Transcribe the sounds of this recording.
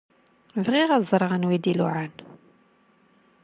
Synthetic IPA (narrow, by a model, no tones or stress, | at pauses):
vʁiʁæzˤɾˤɑʁənwid̪ilṵʕan